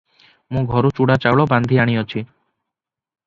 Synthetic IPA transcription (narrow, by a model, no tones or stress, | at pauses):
mũɡʱɔɾut͡ʃuɽat͡ʃawɭɔband̪ʱiaɽ̃iɔt͡ʃʰi